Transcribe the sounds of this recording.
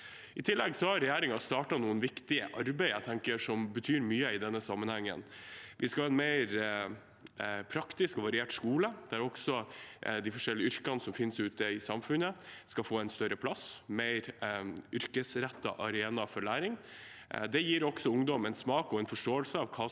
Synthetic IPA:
ɪt̪ʰɪlːɛɡsɔhɑɾɾɛjæːɾɪŋɑst̪ɑːʈɑnuːənʋɪkt̪ɪə̰ʔɑɾbæɪæt̪ʰɛŋkəʂɔmbət̪ʰyːɾmyːəɪd̪ɛnːəsɑmːənhɛŋːə̰nʋʔɪskɑɑːɛnmeɪɾ | pʰɾɑkt̪ɪskɔʋɑɾɪeːʈskuːləd̪ææɾɔɡ̥sɔd̪æfɔʂɛlːɪʏɾkɑnəsɔmfɪnsʉːt̪əɪsɑmfʉnəskɑfoːɛnst̪œɾəpʰlɑsmeɪɾʏɾkəsɾɛt̪ːɑ̰ʔɑɾeːnɑfɔɭæːɾɪŋ | d̪ɛjiːɾɔksɔʊŋd̪ɔmɛnsmɑːkɔɛnfɔʂʈoːəlsəɑʋkʰɑː

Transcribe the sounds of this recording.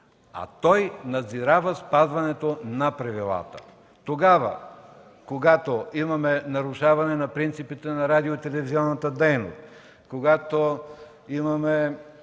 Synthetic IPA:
ɐ̰t̪ɔjnɐd̪ziɾavəspazvɐnɛt̪onɐpɾɐvilˠa̰t̪ə̰ | t̪oɡavə̰ | koɡat̪oimɐmɛnɐɾʊʃavɐnɛnɐpɾint̪sipit̪ɛnɐɾad̪iot̪ɛlɛviziɔnːɐt̪əd̪ɛjno̰st̪ | koɡat̪o | imɐmɛ

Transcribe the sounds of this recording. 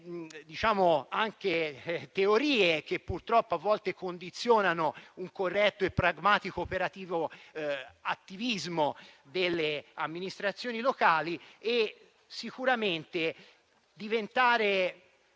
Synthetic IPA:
d̪it͡ʃaːmoaŋket̪eoɾiːek̟epːurt̪ɾɔpːoavːɔlt̪ekond̪it̪sjoːnanouŋkorːɛt̪ːoepːɾaɡmaːt̪ikoːpeɾat̪iːvo | at̪ːivizmod̪elːeamːinist̪ɾat̪sːjoːnilokaːlie | sikuɾament̪e | d̪ːivent̪aːɾe

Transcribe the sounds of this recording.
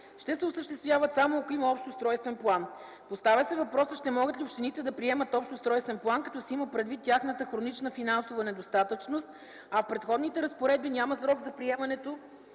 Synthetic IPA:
ʃt̪ɛsɛʊsəʃt̪ɛst̪vʲjavət̪samoɐkoimɐɔpʃt̪ʊst̪ɾɔjst̪vɛnplˠan | post̪avʲəsɛvɐpɾɔsəʃt̪ɛmɔɡət̪liopʃt̪init̪ɛd̪ɐpɾiɛmət̪ɔpʃt̪ʊst̪ɾɔjst̪vɛnplˠankɐt̪ɔsɛiməpɾɛd̪vit̪ːʲjaxnət̪əxɾonit͡ʃnəfinansovənɛd̪ost̪at̪ət͡ʃnost̪̚ | ɐfpɾɛt̪xɔd̪nit̪ɛɾəspoɾɛd̪̚binʲaməsɾɔɡzɐpɾiɛmɐnɛt̪o

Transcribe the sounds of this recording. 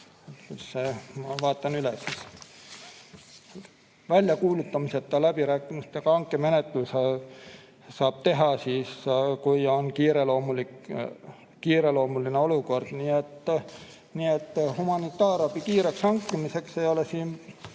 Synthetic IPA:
sːemɑvɑːt̪ːˑɑnylesis | vælʲjɑkuːlut̪ːɑmiset̪ːˑɑlæb̥iɾæːkːˑimist̪jɑɡ̥ɑɑŋkːˑeme̞net̪ˑlus | sɑːb̥̚t̪e̞ɦɑsiːskujo̞nkiːɾelo̞ːmulik | kiːɾelo̞ːmulineo̞luko̞rd̪̥niːet̪ː | niːet̪ːhumɑnit̪ːˑɑːɾɑbikiːɾeksɑŋkːˑimise̞ksejo̞lesiːn

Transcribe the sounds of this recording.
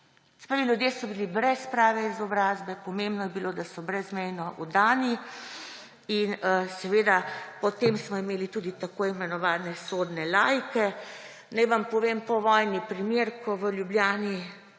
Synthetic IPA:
spaʋilʲjud̪jeːsɔbilibɾɛspɾaːʋɛizɔbɾaːzbɛpɔmembnɔjɛbilod̪asɔbɾɛzmɛjnɔʔud̪aːni | insɛʋeːd̪apɔt̪emsmɔimeːlit̪uːd̪it̪akoːimɛnɔʋaːnɛsoːd̪nɛlajkɛ | najʋampɔʋeːmpɔʋɔjnipɾimeːɾkʰɔʋəljubljaːni

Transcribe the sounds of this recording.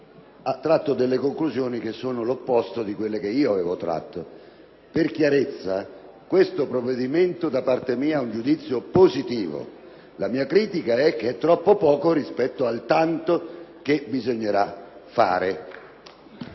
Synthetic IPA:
at̪ːɾat̪ːod̪elːekoŋkluzjoːnik̟esːoːnolopːɔst̪od̪ikwelːek̟eiːoavɛːvot̪ɾa̰t̪ːo | perkjaɾet̪sːa | kwest̪opɾovːed̪iment̪od̪apart̪emiːaɛund͡ʒud̪it̪sːjopozit̪iːvo̰ | lamiːakɾiːt̪ikaɛk̟ːeɛt̪ːɾɔpːopɔːkoɾispɛt̪ːoalt̪ant̪okebizoɲːeɾafa̰ːɾe

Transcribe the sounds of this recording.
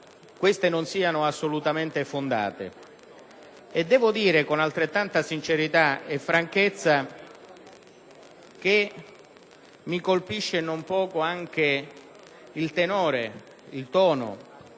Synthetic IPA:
kwest̪enonsiːanʊasːolut̪ament̪efond̪a̰ːt̪ḛ | ed̪ːɛːvʊd̪iːɾekonalt̪ɾet̪ːant̪asint͡ʃeɾit̪aefːɾaŋket̪sːa | k̟e | mikolpiʃːenompɔːkoaŋk̟e | ilt̪enɔːɾe | ilt̪ɔːno̰

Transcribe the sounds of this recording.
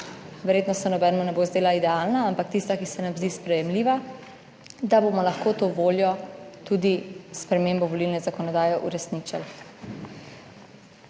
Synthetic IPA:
ʋɛɾjeːt̪nɔsɛnɔbɛːnɛmunɛbozd̪eːlaid̪ɛaːlnaampakt̪ist̪akisɛnamzd̪iːspɾɛjɛmliːʋa | d̪abomɔlaxkot̪oʋoːljɔt̪ud̪ispɾɛmeːmbɔʋɔlilnɛzakɔnɔd̪aːjɛʔṵɾɛsnit͡ʃa̰l

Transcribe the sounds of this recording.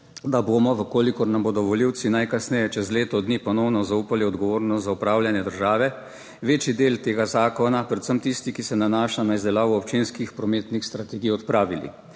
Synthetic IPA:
d̪aboːmɔʋəkoːlikɔɾnamboːd̪ɔʋɔliwt̪sinajkasnɛjɛt͡ʃɛzleːt̪ɔd̪niːpɔnɔwnɔzauːpaliɔd̪ɡɔʋoːɾnɔst̪zaupɾaːwljanjɛd̪əɾʒaːʋɛ | ʋeːt͡ʃid̪eːlt̪eːɡazaːkɔnapɾɛt̪səmt̪ist̪ikisɛnanaːʃanaizd̪ɛlaːʋuɔp̚t͡ʃeːnskixpɾɔmeːt̪nixst̪ɾat̪ɛɡijɔt̪pɾaːʋilḭ

